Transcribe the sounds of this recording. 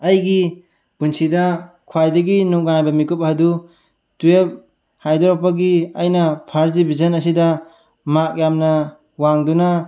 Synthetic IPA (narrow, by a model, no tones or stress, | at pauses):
ɐjɡi | bunsidɐ | kʰwajdɐɡinuk̚ɡajbɐmikup̚hadu | tuep̚ | hajdɔɾɔpːaɡiɐjnɐpʰaɾzibizɐnɐsida | mak̚jamnɐ | waŋduna